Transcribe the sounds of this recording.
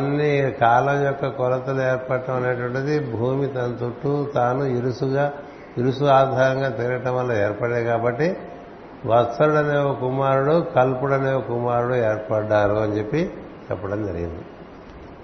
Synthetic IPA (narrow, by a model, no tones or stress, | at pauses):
ɐnːikaːlɐmjɔkːɐkɔlɐt̪ɐlueːɾpɐʈːɐmɐnɐʈʋɐɳʈːɐd̪ibʱuːmit̪ɐnt̪uʈːut̪aːnuiɾusuɡaː | iɾusuaːd̪ʱaːɾɐŋɡaːt̪iːɾɐʈɐmʋɐlːɐeːɾpɐɽed̪ikaːbɐʈːi | ʋɐt̪sɐɾuɽɐneokumaːɾuɽukɐlpuɽɐneːokumaːɾuɽueːɾpɐɖːaːɾuɐnt͡ʃe̞pːi | t͡ʃɛ̰pːɐʈɐmd͡ʒɐɾḭɡḭnd̪i